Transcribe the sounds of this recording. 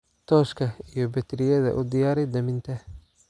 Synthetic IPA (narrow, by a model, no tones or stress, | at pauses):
t̪ʰɔːʃkʰɐijɞbɛt̪ʰɾɪjɐðɐ̰ʔʊd̪ɪjaːɾɛjd̪ɐmɪnt̪ʰɐ